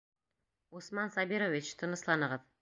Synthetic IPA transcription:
usmɑnsɑbiɾovʲit͡ʃt̪ʰɤ̆nɤ̆slˠɑnɤ̆ʁɤð

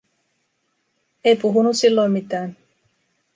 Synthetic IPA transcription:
e̞jpuɦunussilːo̞jmmit̪æːn

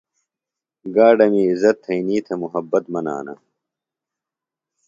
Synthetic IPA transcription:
ɡaːɖɐmiːzɐt̪ʰːɐiniːt̪ʰɐmuɦɐbːɐt̪mɐna̰ːnɐ̰

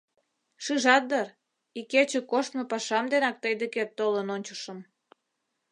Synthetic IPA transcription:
ʃɯʒɑt̪̚d̪ər | iket͡ɕĕkoʃt̪mopɑʃɑmd̪enɑk̚t̪əjd̪əket̪ːolənonʲt͡ɕə̥̆ʃə̆m

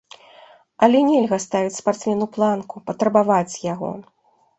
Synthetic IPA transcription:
ɐlʲɛnʲɛlʲɣɐst̪avʲit͡sʲspart̪smʲɛnuplˠankupɐt̪ɾɐbavat͡sʲjaɣɔ̰

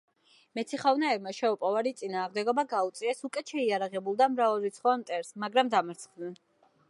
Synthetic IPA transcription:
mɛt̪sʰiχavnaɛbmaʃɛupʼɔvaɾit̪sʼinaːʁmd̪ɛɡɔbaɡaut̪sʼiɛsukʼɛʃɛiaɾaʁɛbulˠd̪amɾavaɾit̪sʰχɔamt̪ʼɛɾsmaɡɾamd̪amaɾt̪sʰχd̪nɛn

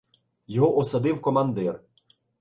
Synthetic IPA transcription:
jɔɦɔʔɔsɐd̪ɪwkɔmɐnd̪ɛr

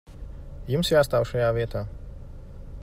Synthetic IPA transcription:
jumsjaːst̪aːwʃajaːviɛt̪aː

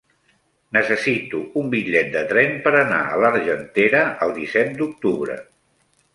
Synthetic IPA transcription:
nəsəsit̪uumbiʎɛt̪̚d̪ət̪ɾɛmpəɾəna̰ələɾʒənt̪eɾəəlˠd̪isɛt̪̚d̪uk̚t̪uβɾə̰

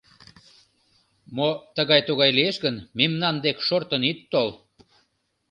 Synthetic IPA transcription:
mot̪əɣɑjt̪uɣɑjlieʃɣənmemnɑnd̪ekʃort̪ənit̪ːol

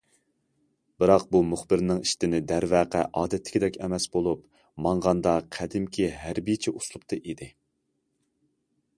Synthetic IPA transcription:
b̥ɨɾɑq̚bumʊχbɪɾnɪŋiʃt̪ɪnɪd̪æɾvæːqæʔɑːd̪ɛt̪ʰːɪ̥kʲid̪ɛkʲɛmɛsbolˠup | mɑɴʁɑnd̪ɑqʰæd̪ɪmkʲʰiɦæɾbijt͡ʃʰiʔuslˠup̚t̪ʰɨʔid̪ɪ

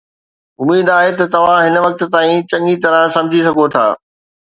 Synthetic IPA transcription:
ʊmiːd̪aːɦet̪ɐt̪ɐʋ̤ãɦɪnʋɐk̚t̪t̪aːĩt͡ɕɐ̃ŋit̪ɐɾə̃sɐ̃md͡ʑʱisɐɡʱot̪ʰa̰ː

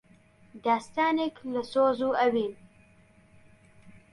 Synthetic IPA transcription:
d̪ɑːst̪ɑːnɪkləsozuawim

